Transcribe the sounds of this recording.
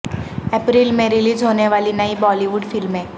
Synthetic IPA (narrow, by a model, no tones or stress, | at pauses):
ɛpɾiːlmẽɾɪliːd͡ʒɦoːneʋaːlinɐibɔːliʋʊɖfɪlmẽː